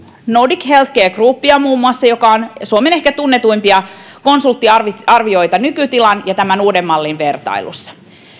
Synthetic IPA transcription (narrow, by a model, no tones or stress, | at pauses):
nodikhelt̪keːkruːpːiɑmuːmːuɑsːɑjo̞kɑonsuomenehkæt̪unːet̪uimpiɑ | ko̞nsult̪ːiɑʋiɑrʋio̞jt̪ɑnykyt̪ilɑnjɑt̪æmænuːdemːɑlːinʋert̪ɑ̰ilṵsːɑ̥